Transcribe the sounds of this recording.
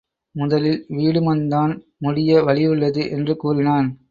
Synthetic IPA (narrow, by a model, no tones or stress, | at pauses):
mʊðɐlɪlʋiːɽɯmɐnd̪aːn | mʊɽɪjɐʋɐɭɪʋɯɭːɐðɯʔɛndrɯkuːrɪnaːn